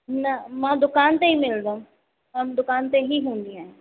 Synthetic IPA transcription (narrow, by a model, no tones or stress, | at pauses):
nɐmãd̪ʊkaːnt̪eɦimɪld̪a | ɦɐmd̪ʊkaːnt̪eɦiɦũːn̆d̪ĩaːɦɪ̃